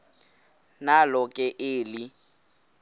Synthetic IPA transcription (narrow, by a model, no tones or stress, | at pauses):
nalɔkʼɛʔɪːlɪ